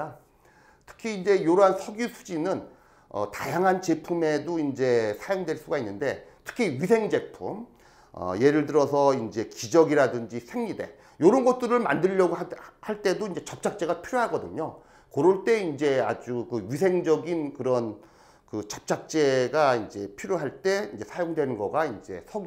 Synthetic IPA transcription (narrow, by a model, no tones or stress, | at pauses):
a | tʰɯ̥kʰiːnd͡ʑe̞joɾoɦansʰʌɡjusʰu̥d͡ʑinɯn | ʌ̰ta̰jaŋɦant͡ɕe̞pʰume̞doind͡ʑe̞sʰajoŋdweɭs͈uɡainːɯnde̞tʰɯ̥kʰiɥisʰe̞ŋd͡ʑe̞pʰum | ʌ̰je̞ɾɯɭdɯɾʌsʰʌind͡ʑe̞kid͡ʑʌɡiɾadɯnd͡ʑisʰe̞ŋɲide̞ | joɾʌnɡʌt̚t͈ɯɾɯɭma̰ndɯʎːʌɡohaɭt͈e̞doind͡ʑe̞t͡ɕʌp̚t͡ɕʰak̚t͡ɕ͈e̞ɡapʰiɾjoɦaɡʌdɯɲo | kʌɾuɭt͈e̞ind͡ʑe̞ad͡ʑukɯɥis̬ʰe̞ŋd͡ʑʌɡinkɯɾʌn | kɯt͡ɕʌ̥p̚t͡ɕʰak̚t͡ɕ͈e̞ɡaind͡ʑe̞pʰiɾjoɦaɭt͈e̞ind͡ʑe̞sʰajoŋdwe̞nɯnɡʌɡaind͡ʑe̞̰sʰʌ